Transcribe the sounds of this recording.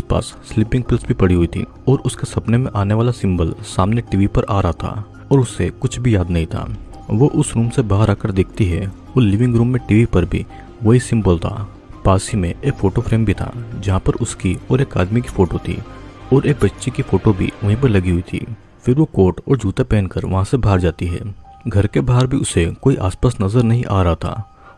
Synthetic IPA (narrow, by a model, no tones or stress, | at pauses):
spa̰ːsːlɪpɪ̃ŋɡ̚pɪlsbʱipɐɽiɦʊit̪ʰḭ | ɔːɾʊskesɐpnemẽʔaːneʋaːlasɪ̃mbəlsaːmneʈiːʋipɐɾʔaːɾaɦat̪ʰa̰ː | ɔːɾʊsːekʊt͡ʃʰbʱijaːd̪nɐɦĩt̪ʰa̰ː | ʋoʔʊsɾuːmsebaːɦəɾaːkəɾd̪eːk̚ʰt̪iɦɛ | oːlɪʋɪ̃ŋɡɾuːmːẽʈiːʋipɐɾbʱḭ | ʋɐɦisɪ̃mbəlt̪ʰa̰ː | paːsimẽeːkfoːʈofʰɾeːmbʱit̪ʰa̰ːd͡ʒɐɦãpɐɾʊskiɔːɾeːka̰ːd̪miki̥foːʈot̪ʰḭːɔːɾeːk̚bɐtːʃikifoːʈobʱḭʊɦĩp̬ɐɾlɐɡiɦʊit̪ʰḭː | fɪɾʋokoːʈɔ̰ːɾd͡ʒʱuːt̪epɛːnkəɾʋɐɦãsebʱaːɾd͡ʒaːt̪iɦɛ̰ː | ɡʱɐɾkebaːɦəɾbʱiʊsekoːiʔa̰ːspaːsnɐzəɾnɐɦĩʔaːɾɐɦat̪ʰa̰ː